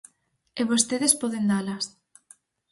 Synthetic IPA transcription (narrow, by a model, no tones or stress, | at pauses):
eβost̪eðespɔðend̪alɐs